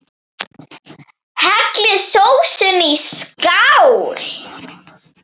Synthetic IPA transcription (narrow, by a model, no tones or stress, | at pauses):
hɛt̪lɪðsowsʏniskawl